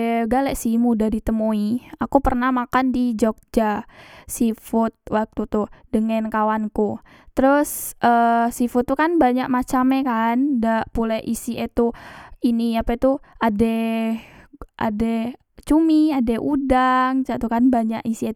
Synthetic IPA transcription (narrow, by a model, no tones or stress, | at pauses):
ɡalɛʔsimudaɾit̪əmoiakupərnahmakandid͡ʒok̚d͡ʒasifʊt̪̚wʔak̚t̪ut̪udəŋankawanku | t̪əɾʊsʔəsifʊt̪ːukanbaɲaʔmat͡ʃamɛkandaʔpulɛʔisiʔɛt̪uiniapɛt̪uadɛ | ʔa̰dɛ | t͡ʃumiadɛʔudaŋt͡ʃaʔt̪ukanbaɲaʔisiet̪